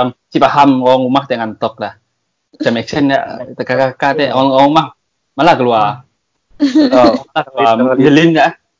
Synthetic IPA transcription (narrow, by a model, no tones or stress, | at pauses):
amsipaɦamɔɔŋumaht̪ɛʔŋant̪ɔk̚lah | t͡ʃamɛksɛnja̰ʔt̪ɛkakakat̪ɛʔɔɔŋumah | malahkəlua | ɔalakəluadəlɪnjaʔ